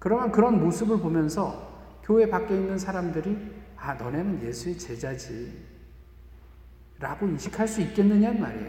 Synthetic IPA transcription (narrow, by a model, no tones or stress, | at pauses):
kɯɾʌmjʌnkɯɾʌnmosʰɯbɯɭpomjʌnsʰʌ | kjoe̞pak͈einːɯnsʰaɾamdɯɾianʌnenɯnje̞sʰuet͡ɕe̞d͡ʑad͡ʑi | ɾaɡoinɕʰikʰaɭs͈uit̚k͈e̞nːɯɲanma̰ɾḛjo